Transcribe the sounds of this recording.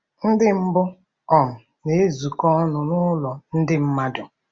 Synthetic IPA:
n̩˦dɪ˦m̩˦bʊ˦ | ɔ˨ŋ̩˨ | ne˨e˦zu˨kɔ˦nʊ˨nʊ˦lɔ˨n̩˦dɪ˦m̩˦ma˦dʊ˨

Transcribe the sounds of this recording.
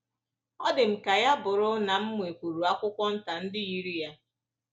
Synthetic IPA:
ɔ˦dɪ˨m̩˨ka˨ja˦bʊ˨ɾʊ˦na˨m̩˦m˨e˨kʷu˨ɾu˨a˦kʷʊ˦kʷɔ˦n̩˦ta˨n̩˦dɪ˦i˦ɾi˦ja˦

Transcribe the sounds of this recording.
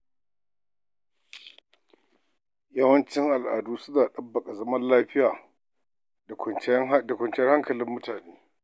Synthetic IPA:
jɐ˦wɐ˦nt͡ʃɪ˦ŋʔa˨lʔa̰ː˨duː˦sʊ˦naː˨ɗɐ˦bːɐ˨kʼa˨zɐ˦mɐ˦llaː˦ɸɪ˦jaː˨˦ | da˨kʷɔ˨nt͡ʃjɐ˦rha˦ŋkɐ˨lɪ˦mːʊ˦taː˨neː˦

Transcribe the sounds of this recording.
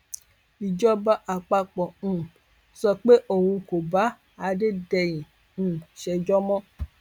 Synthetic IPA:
i˨d͡ʒɔ˦ba˦ʔa˨k͡pa˧k͡pɔ˨ũ˨ | sɔ˧k͡pe˦ʔo˦˨wũ˧ko˨ba˨˦ | a˧de˦dɛ˧jĩ˨ | ʃɛ˧d͡ʒɔ˦mɔ̃˦

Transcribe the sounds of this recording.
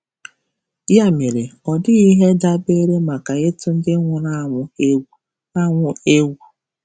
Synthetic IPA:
ja˦me˨ɾe˨ɔ˨dɪ˦i˦ɦe˦da˦be˦ɾe˦ma˨ka˨e˦tʊ˦n̩˦dɪ˦ŋʷʊ˦na˦ŋʷʊ˨e˦ɡu˦ | a˦ŋʷʊ˦e˦ɡu˦

